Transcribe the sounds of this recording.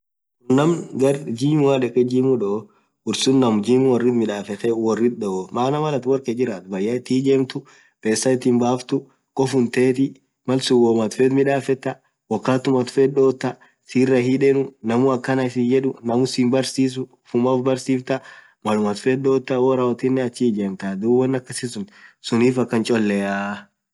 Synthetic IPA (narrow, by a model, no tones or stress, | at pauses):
nɐmɡɐrd͡ʒiːmwaᶑɛkʼːɛd͡ʒiːmʊᶑɔ | ʊɾsʊnːɐmd͡ʒiːmʊwɔrːɪt̪mɪᶑaːfɛt̪ɛwɔrːɪt̪̚ɗɔomaːnɐmɐlɐt̪wɔɾked͡ʒɪɾaːt̪bɐjːaɪt̪ːiːd͡ʒeːmt̪ʊ | beːsːɐɪt̪ːɪnbaːft̪ʊ | kʼɔfʊnt̪eːt̪ɪ | mɐlsʊwoːmɐt̪fɛt̪mɪᶑaːfɛt̪ːɐ | wɔkːaːt̪ʊmɐt̪fɛd̪oːt̪ːɐ | siːrːɐhiᶑɛnʊnɐmʊɐkːɐnaɪsɪnd͡ʒɛᶑʊnɐmʊsimbɐɾsiːs̬ʊ | fʊmɐfbɐɾsiːft̪ɐ | mɐlʊmɐt̪fɛd̪oːt̪ːɐwɔɾɐwɐt̪ɪnːɛɐt͡ʃːid͡ʒeːmt̪ad̪uːwːɐnːɐkːɐsɪsʊnsʊniːfɐkːɐnt͡ʃʼɔlːɛjaː